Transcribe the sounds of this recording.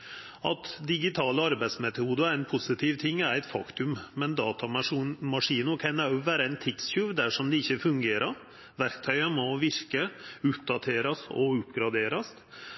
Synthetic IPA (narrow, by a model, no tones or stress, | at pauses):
ɑ̰t̪d̪ɪɡɪt̪ʰɑːləɑɾbæɪsmɛt̪ʰuːd̪əænpʰʊsɪt̪ʰɪːʋt̪ʰɪŋːæɾæɪt̪fɑ̰kt̪ʉmmɛnd̪ɑːt̪ɑmmɑʂiːnʊkʰɑnæʋæːɾəæɪnt̪ʰɪt̪sçʉːʋd̪æʂɔmd̪ɛɪçːəfʉŋɡeːɾəɾ | ʋæɾkt̪ʰœʏəmɔʋɪɾkəʉːt̪̚d̪ɑt̪ʰeːɾɑsɔ̰ʉpɡɾɑd̪eːɾɑs